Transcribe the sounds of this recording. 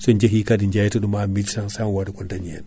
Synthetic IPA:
sɔɲd͡ʒeɦikadiɲd͡ʒajtɔɗumamititansamwadakɔntaɲiɛ̰n

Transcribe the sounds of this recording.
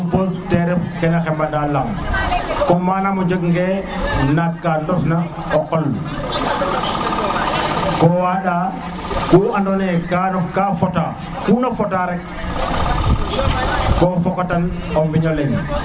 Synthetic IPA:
bɔstɛɾɛfkɛnaxɛmbandalam | kɔmanamɔd͡ʒəkŋɡɛnakːandɔfna | ɔkɔl | kɔwaɗa | kuandɔnɛkanɔfkafɔta | kuːnafɔtaɾɛk̚ | kɔfɔkɔtanɔmviɲɔlɛn

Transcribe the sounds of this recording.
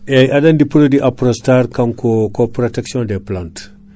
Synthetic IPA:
ɛjʔadɐndipuɾodiʔapɾostaɾkɐnkokopɾoteksiɔ̃ndeplant

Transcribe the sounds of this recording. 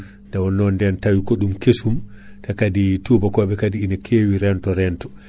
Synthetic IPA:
ndawɔnːɔndɛntawikɔɗumkesumtakaditubakɔɓɛkadiinakʰeːwiɾɛntɔɾɛntɔ̥

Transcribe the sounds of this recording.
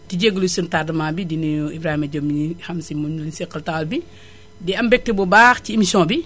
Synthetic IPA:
tiɟeɡːəlusintadɐmaːbidiniibɾaːhimɐɟomːihɐmsimuulinsiqːɐltaːlbi | dɛɐmbɛk̚tebubaːxciimisjɔ̃ːbi

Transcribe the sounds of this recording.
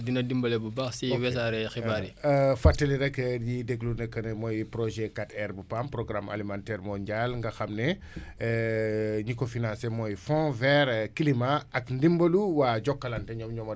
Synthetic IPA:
dinɐdimbɐlɛbubaxsiwɛsaɾɛxibaɾifatːɐliɾɛkːjidɛɡlunɛkːɐnɛmɔjpɾɔʒɛkatɛɾbupampɾɔɡɾama̰limantɛːɾmɔɲɟalŋɡɐxɐmnɛ | ɲikɔfinãnsemɔjfɔ̃vɛɾkilimaʔɐkndimbɐluwaːɟɔkːɐlɐntɛɲɔmɲɔmɐ

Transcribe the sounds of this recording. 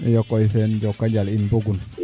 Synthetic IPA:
ḭjokːɔisɛnɟokːaɟalinboɡun

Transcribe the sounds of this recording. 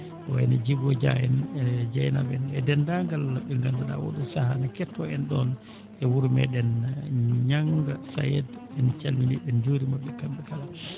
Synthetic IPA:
ʔɔɛ̰nad͡ʒiɡɔd͡ʒa̰jɛnɛd͡ʒajna̰bɛnɛdɛndaŋɡalaɓɛŋɡandaɗa̰wo̰ɗusahanakɛtːɔɛnɗɔn | ʔɛwuɾmɛ̰ɗɛn | ɲaŋɡasa̰jɛdɛnt͡ʃalminiɗɛnd͡ʒoːɾimaɓːɛkamɓɛkala

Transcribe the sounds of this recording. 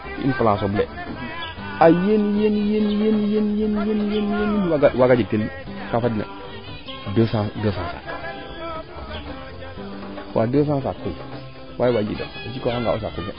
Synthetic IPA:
kḭʔḭnpalãsoblḛ | ajenjenjenjenjenjenjenjenjenjenwwaɡad͡ʒitel | kafadnḛ | dəsadəsansa̰ | ka̰dəs̬as̬akul | waiwad͡ʒḭdo̰at͡ʃikohaŋɡa̰ṵs̬akulːḛ

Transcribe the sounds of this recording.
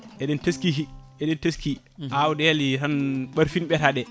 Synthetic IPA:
ʔɛɗɛnteskiɦiʔɛɗɛnteski | ʔawudɛlitanɓaɾfinɓɛtaɗɛ

